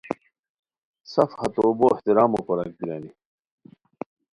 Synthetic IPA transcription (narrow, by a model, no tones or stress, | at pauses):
sɐfhɐt̪oːboːeht̪iɾaːmokoɾɐk̚d̪iɾaːni